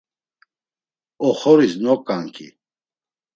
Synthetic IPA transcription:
ɔχɔɾisnɔkʼaŋkʰḭ

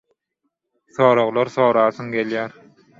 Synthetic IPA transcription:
θoːɾoɣlˠɑɾθoːɾɑːθɯŋɡe̞ljæːɾ

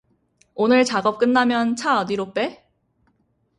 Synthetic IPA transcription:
onɯɭt͡ɕaɡʌp̚k͈ɯnːamjʌnt͡ɕʰaʌdiɾop͈e̞

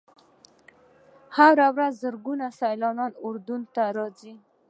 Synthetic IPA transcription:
haɾawɾazːəɾɡunasajlɑnɑnʊɾd̪unt̪aɾɑzi

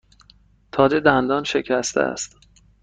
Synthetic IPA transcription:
t̪ʰɒːze̞d̪ænd̪ɒːnʃecʰæst̪ʰḛæ̰st̪

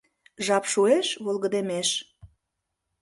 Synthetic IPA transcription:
ʒɑpʃueʃβolɣə̆d̪emeʃ

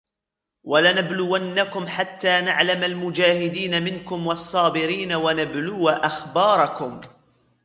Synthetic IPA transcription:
walanablʊwanːakʊmħat̪ːaːnaʕlamalmʊd͡ʒaːhɪd̪iːnamɪnkʊmwɑsˤːɑːbɪɾiːnawanablʊwaʔaxbɑːɾˤɑkʊm

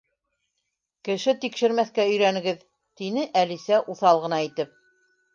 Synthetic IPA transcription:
kɘ̆ʃɘt̪ikʃɘ̆ɾmæθkæɵ̆jɾænɘ̆ɡɘð | t̪inɘʔælisæʔuθɑlˠʁɤ̆nɑit̪ɘp̚

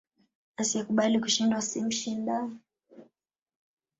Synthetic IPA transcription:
asiɛkuɓalikuʃindwasim̩ʃinda

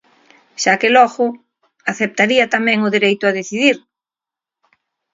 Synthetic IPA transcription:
ʃakɪlɔɣʊ | aθep̚t̪aɾiɐt̪amɛ̃ŋʊðeɾejt̪ʊað̞eθiðiɾ

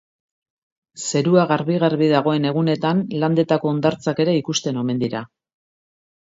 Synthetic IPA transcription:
se̞ɾuaɣaɾβiɣaɾβiðaɣ̞o̞e̞ne̞ɣ̞une̞t̪anland̪e̞t̪ako̞ːnd̪aɾt͡sake̞ɾe̞ikust̪e̞no̞me̞nd̪iɾa

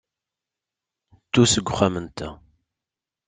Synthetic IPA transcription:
t͡s̪ːusəɡʷːχæmənt̪æ

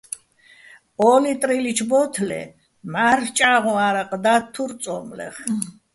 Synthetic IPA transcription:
ɔlit̪ʼɾilit͡ʃʰbɔt̪ʰlɛ̰ | maɾt͡ʃʼaʁɔ̃aɾaqʼd̪at̪ʰːuɾt̪sʼɔmlɛ̰χ

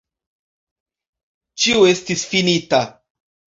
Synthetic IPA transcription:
t͡ʃiue̞stisfinita

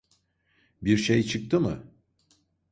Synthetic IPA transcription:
biɾʃejt͡ʃʰɯk̚t̪ʰɯmɯ̰

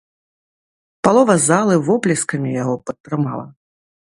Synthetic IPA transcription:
palˠɔvɐzalˠɨvɔplʲiskɐmʲijaɣɔpɐt̪ːɾɨma̰lˠɐ̰

